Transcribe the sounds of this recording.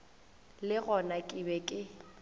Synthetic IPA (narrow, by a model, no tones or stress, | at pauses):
lɪɣɔnakʼɪbɛkʼɪ